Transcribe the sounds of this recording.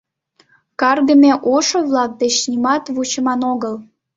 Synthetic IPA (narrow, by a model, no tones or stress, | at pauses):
kɑrɣəmʲeʔoʃoβlɑk̚d̪et͡ɕnimɑt̪βut͡ɕəmɑnoɣəl